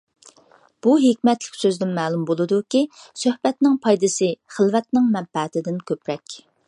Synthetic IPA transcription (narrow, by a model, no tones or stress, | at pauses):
b̥uɦekʲmɛt̪lɪ̥kʲsøzd̪ɪnmɛːlˠumbolˠɨd̪ukʲisøhbɛt̪nɪŋpʰɑjd̪ɨsɨχəlˠvɛt̪nɪŋmɛmpɛt̪ʰɪd̪ɪnkʲʰøpɾɛkʲ